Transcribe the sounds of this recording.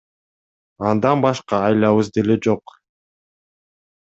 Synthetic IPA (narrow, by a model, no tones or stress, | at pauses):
ɑnd̪ɑnbɑʃqɑːjlˠɑβɯzd̪e̞le̞d͡ʒo̞q